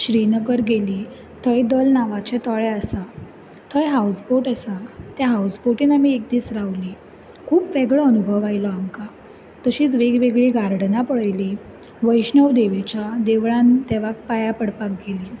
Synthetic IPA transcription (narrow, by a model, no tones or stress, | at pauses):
ɕɾinəɡəɾɡeliː | t̪ʰəjd̪əlnaʋat͡ɕɛ̃t̪ɔɭɛəsa | t̪ʰəjɦausboʈəsat̪jaɦawsboʈiːnamiːek̚d̪iːt͡sɾaʋli | kʰuːpʋeɡɭəənubʱəʋajlɔamka | t̪əɕiːt͡sʋeɡʋeɡɭiːɡʱaɾɽnapəɭəjli | ʋəjɕnəʋd̪eʋit͡ɕad̪eʋɭãnd̪ɛʋak̚pajapəɽpak̚ɡeliː